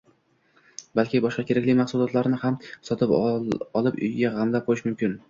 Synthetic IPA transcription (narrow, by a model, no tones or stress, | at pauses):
balkʲɪbɒʃqɑkʲʰe̞ɾakʲlɪjmaχsulˠɒt̪ʰlaɾnɪhamsɒt̪ʰɪpɒlˠɪpʊ̰jɡʲaʁamlap̚qolɪʃmʊmkʲɪn